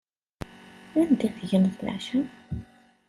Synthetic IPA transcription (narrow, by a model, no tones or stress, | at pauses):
ænd̪iθʝənθlæ̰ʕʃən